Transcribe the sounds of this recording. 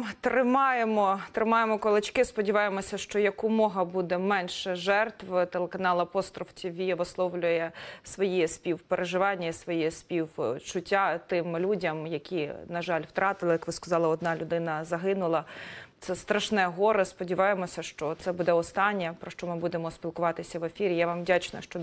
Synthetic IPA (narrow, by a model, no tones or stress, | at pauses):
t̪ɾɪmɑjemɔt̪ɾɪmɑjemɔkɔlˠɪt͡ʃkɪspɔdʲiʋɑjemɔsʲɐʃt͡ʃɔjɐkʊmɔɦɐbud̪ɛmɛnʃɛʒɛrt̪ʋt̪elˠekɐnɑlˠɐpɔst̪ɾɔft͡sʲiʋʲijɛʋɔslˠɔwlʲʊjɛsʋɔjispʲiwpeɾeʒɪʋɑnʲːɐisʋɔjispʲiwt͡ʃʊtʲːat̪ɪmlʲudʲɐmjɐkʲinɐʒɑlʲwt̪ɾʔɑt̪ɪlˠɪjɐkʋɪskɐzɑlˠɪɔd̪̚nɑlʲʊd̪ɪnɐzɐɦɪnʊlˠɐt̪sɛst̪ɾɐʃnɛɦɔɾɪspɔdʲiʋɑjemɔsʲɐʃt͡ʃɔt̪sɛbud̪ɛɔst̪ɑnʲːɐpɾɔʃt͡ʃɔmɪbud̪emɔspʲilˠkʊʋɑt̪ɪsʲɐʋefʲiɾʲijaʋɑmdʲat͡ʃnɐ̰ʃt͡ʃɔ